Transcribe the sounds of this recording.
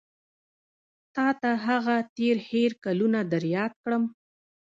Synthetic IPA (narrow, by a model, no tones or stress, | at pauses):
t̪ɑt̪aɦaɣat̪eɾheɾkalunad̪aɾjɑt̪̚kɽəm